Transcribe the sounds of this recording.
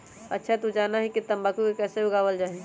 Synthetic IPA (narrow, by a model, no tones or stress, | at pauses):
ə̰tːʃʰat̪ud͡ʒaːnaɦikit̪əmbaːkukekɛːseʊɡaːʋəld͡ʒaːɦẽ